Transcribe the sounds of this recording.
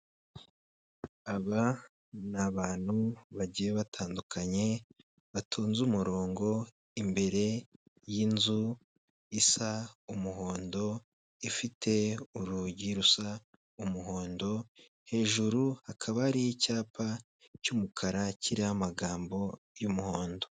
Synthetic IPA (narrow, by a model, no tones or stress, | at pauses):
aβa | naβaːn̥huβaɟijeβatʰaːndukʰaɲe̞ | βatʰoːnzuːmuɾo̞ːŋɡo̞ | imbe̞ɾe̞ | jinzu | isaumuɦo̞ːndo̞ | ifitʰe̞uɾuɟiɾusa | umuɦo̞ːndo̞ | he̞ːʒuɾuhakʰaβaɾijicaːpʰa | cumukʰaɾaciɾihamaɡaːmbo̞ | jumuho̞ːndo̞